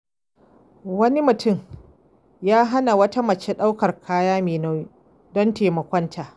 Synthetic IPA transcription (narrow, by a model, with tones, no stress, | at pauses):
wɐ˦ni˦mʊ˨tʊ˦˨m | jaː˦ɦa˦na˨wɐ˦ta˦mɐ˨t͡ʃe˦ɗa˦wkɐ˨rkʰaː˦jaː˦meː˨na˦ | dɔ˦nteː˨mɐ˨kʷɔ˦ntʰaː˨ʔ